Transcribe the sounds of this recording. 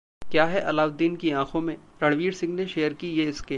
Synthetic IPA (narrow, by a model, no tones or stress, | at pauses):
kjaːɦɛʔɐlaːwd̪iːnkiãːkʰõmẽɾɐɽʋiːɽsɪ̃ŋɡneʃeːəɾkijeɪskeː